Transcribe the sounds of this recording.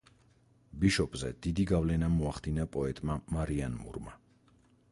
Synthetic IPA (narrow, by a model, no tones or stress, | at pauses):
biʃɔpʼzɛ̰d̪̥id̪iɡavlɛnamɔaχd̪inapʼɔɛt̪ʼmamaɾianmṵɾma